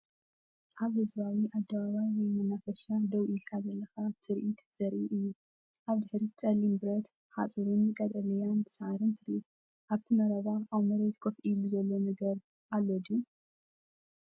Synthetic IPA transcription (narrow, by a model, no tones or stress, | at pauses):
ʔaβhɨzbawiʔad̪ːɐβaβajwɔjmɐnafɐʃad̪ɐwʔilkʰazɐlːɐxat̪ʰɨɾʔit̪z̥ɐɾʔiʔɨjːu | ʔaβd̪ɨħɾit͡sʼɐlːimbɨɾɐt̪ | ha̰t͡sʼɨɾunjɨkʼɐt̪ʼɐlɐjanbɨsʕaɾɨnt̪ʰɨɾʔit̪̚ | ʔaβt̪ʰimɐɾɐβaawmɐɾet̪kʰofʔiluzɐlːo̞nɐɡɐɾ | ʔalːod̪iu